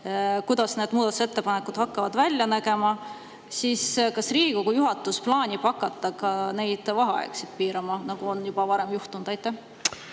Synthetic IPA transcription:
kujd̪̥ɑsne̞d̪̥muːd̪ɑt̪use̞t̪ːe̞pɑne̞kud̪̥hɑkːɑvɑd̪vælʲjɑnæɡe̞mɑ | siːskɑsriːɡ̥iko̞ɡ̥ujuɦɑt̪ːˑusplɑːnʲipɑkːˑɑt̪ːˑɑkɑne̞jd̪̥vɑɦɑɑ̰ḛksid̪̥̚piːɾɑmɑnɑɡ̥uo̞njub̥ɑvɑɾe̞mjuht̪und̪ɑjt̪ˑːæh

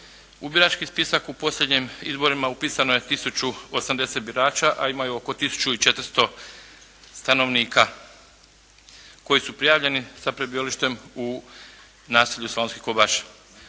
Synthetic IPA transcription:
ubiɾat͡ʃkispisakupo̞sʎʲe̞d̪ɲimizbo̞ɾimaupiːsanoje̞t̪isut͡ɕuosamd̪e̞set̪biɾaːt͡ʃaʔaimajuoko̞t̪isu̥t͡ʃuit͡ʃe̞t̪ɾ̩st̪o̞ | st̪ano̞ʋniːka | ko̞jisupɾijaːʋʎe̞nisapɾebioliʃt̪e̞mu | naːsiʎuslonskihkobaʃ

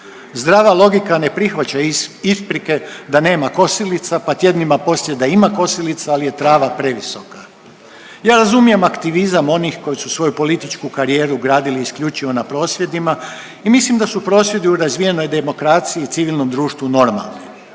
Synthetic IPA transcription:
zd̪ɾaːʋalˠo̞ɡikane̞pɾixʋat͡ɕaispɾike̞d̪ane̞ːmako̞silit̪sapat̪je̞d̪nimapo̞sed̪aimako̞silit̪saalije̞t̪ɾaːʋapɾe̞ʋisoka | jaːɾazumijemakt̪iʋizamo̞nixko̞jisusʋo̞jupo̞lit̪it͡ʃkukaɾije̞ːɾuɡɾaːd̪iliːskʎʲut͡ʃiʋo̞napɾo̞ːsʋje̞d̪ima | imislimd̪asupɾo̞ːsʋje̞d̪iuɾazʋije̞no̞jd̪e̞mo̞kɾaːt̪siiːt̪siʋilˠno̞md̪ɾuːʃt̪ʋuno̞ɾma̰lˠni

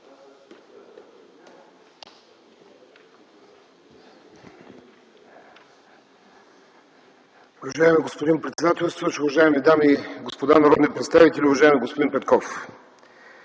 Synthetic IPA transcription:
ʊvɐʒaɛmɛɡospod̪inpɾɛt̪sɛd̪at̪ɛlst̪vəʃʊvɐʒaɛmɛd̪amiɡospod̪anɐɾɔd̪nipɾɛt̪st̪avit̪ɛlʲiʊvɐʒaɛmɛɡospod̪inpɛt̪kɔf

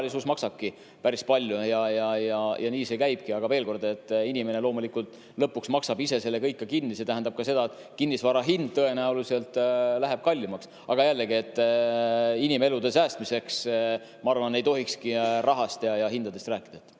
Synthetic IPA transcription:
lisusmɑksɑb̥̚ki | pæɾispɑlʲjujɑjɑjɑjʔɑniːse̞kæjb̥̚kiɑɡ̥ɑveːlko̞rd̪e̞t̪ˑːinime̞ne̞lo̞ːmulikult̪ˑ | lɤpːˑuksmɑksɑbise̞se̞lːe̞kɤjkːɑkinːise̞t̪æɦænd̪ɑb̥̚kɑse̞d̪ɑet̪ | kinːisvɑɾɑɦind̪̥̚t̪ɤe̞næulise̞lt̪læɦe̞b̥̚kɑlʲːimɑks | ɑɡ̥ɑjælːeɡiet̪ː | inime̞lud̪e̞sæːst̪mise̞ks | mɑɑrvɑne̞jt̪o̞ɦikskirʔɑɦɑst̪jɑjɑɦind̪̥ɑd̪e̞st̪ræːkːˑid̪̥ɑet̪ː

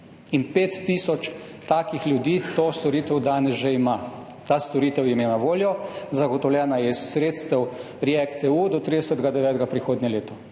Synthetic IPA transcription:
inpeːt̪ːisɔt͡ʃ | t̪aːkixlʲjud̪iːt̪ost̪ɔɾiːt̪ɛwd̪aːnɛzʒeima | t̪aːst̪ɔɾiːt̪ɛwjɛmenaʋoːljɔzaɡɔt̪ɔwlʲjɛːnajɛisːɾeːt̪st̪ɛw | ɾiɛkt̪ɛud̪ɔt̪ɾid̪ɛsət̪ɡad̪ɛʋɛːt̪ɡapɾixoːd̪nʲjɛleːt̪ɔ

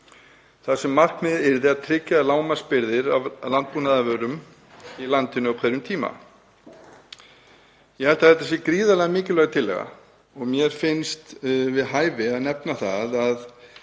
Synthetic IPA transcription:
θasɛmːar̥kmɪðɪɾðɪaðt̪ʰɾɪcːalaːwmaspɪɾðɪɾavlant̪̚punaðavœːɾʏm | ilant̪ɪnʏɔkʰajɾʏmt̪ʰiːma̰ | jɛhɛlt̪aθɛlt̪ːas̬jɛkɾiːðalɛɣamɪːcɪlœːɣat̪ʰɪlɛ̰ɣa̰ | ɔɣmjɛɾ̥fɪnst̪vɪðɦaːjvɪaðnɛpnaθa̰ðað

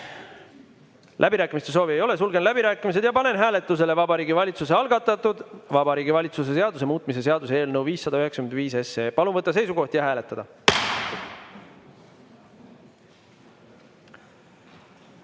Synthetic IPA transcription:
lʔæbiɾæːkːˑimist̪e̞so̞ːvie̞jo̞le̞sulɡe̞nlæbiɾæːkːˑimis̬e̞d̪̥jɑpɑne̞nɦæːle̞t̪ːˑus̬e̞le̞vɑbɑɾiːɡivɑlʲit̪sus̬e̞ɑlɡɑt̪ːˑɑt̪ːud̪̥vɑbɑɾiːɡivɑlʲit̪sus̬e̞s̬e̞ɑd̪us̬e̞muːt̪̚mise̞s̬e̞ɑd̪use̞e̞ːlnəwviːsːɑd̪ɑyheksɑ̥kymend̪viːs̬e̞se̞ːpɑlunvɤt̪ːˑɑs̬e̞jsuko̞ht̪jɑɦæːle̞t̪ːˑɑd̪ɑ

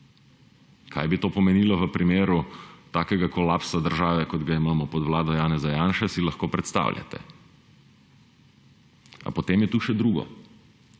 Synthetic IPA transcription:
kʰa̰jbit̪oːpɔmɛniːlɔʋəpɾimeːɾut̪aːkɛɡakɔlaːpsad̪əɾʒaːʋɛkɔd̪ɡaimaːmɔpɔd̪ʋwlaːd̪ɔjaːnɛzajaːnʃɛsilɐxkoːpɾɛt̪st̪a̰ːwljʲa̰t̪ɛ̰ | a̰pɔt̪eːmjɛt̪uʃɛd̪ɾuːɡɔ̰

